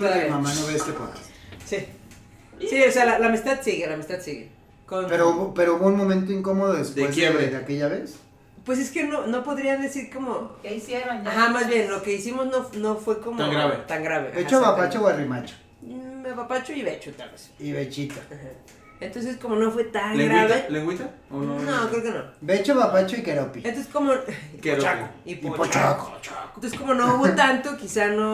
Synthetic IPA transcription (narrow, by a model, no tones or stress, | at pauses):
pomamãnoβest̪epoa̰si | siosealalaːmist̪aðsiɣelamist̪aðsiɣḛ | kopeɾouβopeɾouβounmomẽnt̪oiŋkomoðoðespd̪ewezeβeðeakeʝaβes | pwes̬e̞ske̞nono̞po̞ðɾiand̪esiɾkomokeisjeɾonaxamazβje̞nlo̞ke̞isimoznonofwe̞komaŋɡɾaβet̪aŋɡɾaβḛet͡ʃoβapat͡ʃoɣwarimat͡ʃo̥ | imepapat͡ʃoiβet͡ʃot̪a̰lβesiβet͡ʃit̪o̥aha | ent̪ons̬eskomonofwet̪aŋleɡɾaβeleŋɡwit̪aoonokɾeokeno̰bet͡ʃoβapat͡ʃoikeɾopient̪oseskomokeɾoaipipot͡ʃakot͡ʃaoseskomonofwet̪ant̪okisano